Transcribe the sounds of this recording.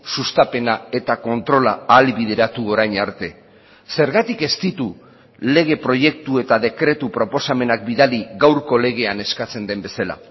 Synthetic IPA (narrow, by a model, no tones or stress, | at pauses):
sust̪ape̞nae̞t̪ako̞nt̪ɾo̞laːlβið̞e̞ɾat̪uo̞ɾajɲaɾt̪e̞ | se̞ɾɣat̪ike̞st̪it̪u | le̞ɣ̞e̞pɾo̞ʝe̞k̚t̪ue̞t̪aðe̞kɾe̞t̪upɾo̞po̞same̞nak̚biðaliɣawɾko̞le̞ɣ̞e̞ane̞skat͡se̞nd̪e̞mbe̞sala̰